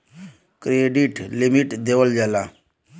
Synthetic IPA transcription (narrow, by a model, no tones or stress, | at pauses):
kɾeɖiʈlimiʈd̪eʋəld͡ʒala